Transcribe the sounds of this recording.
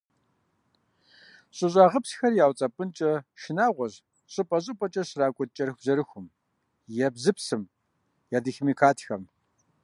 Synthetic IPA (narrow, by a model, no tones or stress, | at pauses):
ɕʼɨɕʼaːʁəpsxɐrjaːwt͡sʼɐpʼɨnt͡ʃʼɐʃɪnaːʁʷɔʑ | ɕʼɨpʼɐɕʼɨpʼɐt͡ʃʼɐɕraːkʷʼʊt̚t͡ʃʼɐrxzɐɾɨxʷʊm | jɛbzɨpʰsɨm | jaːdɨxmiːkʰaːtʰxɐm